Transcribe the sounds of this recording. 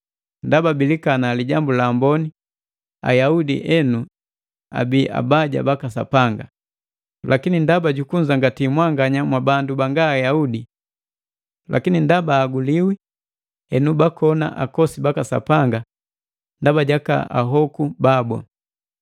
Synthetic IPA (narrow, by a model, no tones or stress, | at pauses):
ndababilikanaliɟambulaːmbɔni | a̰jaudḭʔɛnu | a̰biʔa̰baɟa̰bakasa̰paŋɡa | lʔakinindabaɟukuɲd͡ʒaŋɡatimwaŋɡaɲamwabandubaŋɡaːjaudi | lʔa̰kinindabaːɡuliwi | ɛnubakɔna̰ʔakɔsibakasa̰paŋɡa | ndabaɟaka̰a̰ɦɔkubabɔ̰